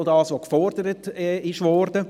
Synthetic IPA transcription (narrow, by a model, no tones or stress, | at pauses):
ldɑːsʋokfɔɾd̥əɾətɛɪʃʋɔrd̥ə